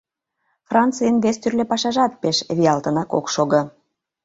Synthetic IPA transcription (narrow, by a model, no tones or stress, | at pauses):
frɑnt̪t͡sɨjənβest̪yrlepɑʃɑʒɑt̪̚peʃβijɑlt̪ənɑko̰kʃoɣɤ̆